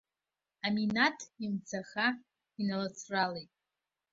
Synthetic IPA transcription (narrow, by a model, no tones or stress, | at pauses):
aminatʰimt͡sʰaχa | inalat͡sʰralejtʼ